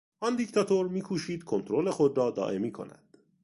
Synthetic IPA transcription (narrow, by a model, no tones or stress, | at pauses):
ʔɒnd̪ict̪ʰɒt̪ʰoɾmiːkʰuːʃiːd̪̥kʰo̞nt̪ʰɾo̞le̞xod̪ɾɒːd̪ɒ̰ːʔe̞miːkʰo̞̰næ̰d̪̥